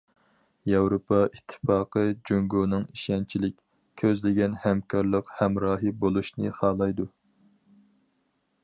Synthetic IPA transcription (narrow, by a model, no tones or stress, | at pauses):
jɑwɾopʰɑit̪ʰːɨ̥fɑːqəd͡ʒuŋɡonɨŋiʃɛnt͡ʃʰilɪkʲ | kʲʰøzlɪɡʲɛnhɛmkʰɑɾlˠəqhɛmɾɑːɦɨbolˠuʃnɨ̰χɑːlˠɑjd̪u